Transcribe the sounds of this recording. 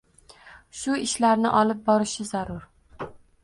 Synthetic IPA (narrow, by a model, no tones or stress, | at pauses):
ʃʊɪʃlaɾnɪʔɒlˠɪp̚bɒɾɪʃɪzaɾʊɾ